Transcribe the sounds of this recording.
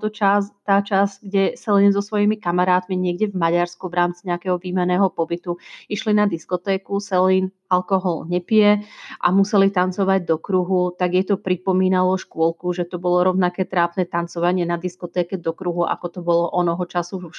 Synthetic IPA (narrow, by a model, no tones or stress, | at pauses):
t̪ɔt͡ʃast̪aːt͡ʃazɡɟɛsɛlinzɔsʋɔjimikamaɾaːt̪miɲɪɛɡɟɛvmaɟaɾskuʋɾaːmt͡siɲɛakɛːɦɔʋiːmɛnɛːɦɔpɔbit̪uiʃlinad̪iskɔt̪ɛːkusɛliːn | alkɔɦɔlɲɛpɪɛʔa̰musɛlit̪ant͡sɔʋaɟd̪ɔkɾuɦut̪aɡjɛt̪ɔpɾipɔmiːnalɔʃkʊɔlkuʒɛt̪ɔbɔlɔɾɔʊnakɛːt̪ɾaːpnɛːt̪ant͡sɔʋaɲɪɛnad̪iskɔt̪ɛːkɛd̪ɔkɾuɦuʔa̰kɔt̪ɔbɔlɔʔɔnɔɦɔt͡ʃasu